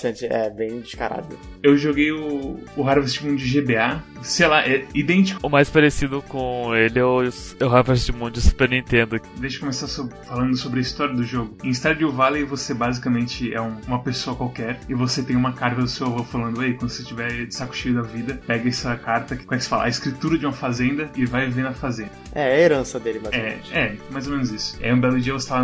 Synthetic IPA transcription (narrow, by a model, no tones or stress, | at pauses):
t̪ɐ̃t͡ʃɪɛ̰bẽj̃d͡ʒɪska̰ɾa̰d̪ʊ | ewʒoɡejʊːɦaɾvaɾst͡ʃɪmũnd͡ʒʊɪʒebeasejlaʔɛid̪ẽnt͡ʃi̥kʊʊmajspaɾesid̪ʊkõelɪɛɛʊɦaɾvaɾst͡ʃɪmũnʊd͡ʒɪsu̥peɾnĩt̪ẽnd̪ʊd̪ejʃɪkomesasobfalɐ̃nd̪ʊsobɾɪɐist̪ɔɾjiɐd̪ʊʒoɡʊẽist̪aɾd͡ʒɪʊvalevosebazikɐmẽnt͡ʃɪɛ̰ũũmɐpesoɐkwawkɛɾɪvoset̪ẽj̃ũmɐkaɾt̪ɐd̪ʊsewavofalɐ̃nd̪ʊaikwɐ̃d̪ʊset͡ʃivɛsakʊ̥ʃijʊd̪ɐvid̪ɐpɛɡɐɛsɐkaɾt̪ɐkkõɛkɪse̥fa̰lɐ̰a̰ɪskɾit̪uɾɐd͡ʒɪũmɐfazẽnd̪ɐɪvajvenɐfazẽndd̪ɐɛɛɐeɾɐ̃sɐd̪elɪaɛɛmajzomẽnʊzisʊ̥ɛ̰ũbɛlʊd͡ʒiɐvose̥aa